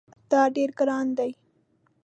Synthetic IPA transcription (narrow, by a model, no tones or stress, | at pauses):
d̪̥ɑɖeɾɡɾɑnd̪aj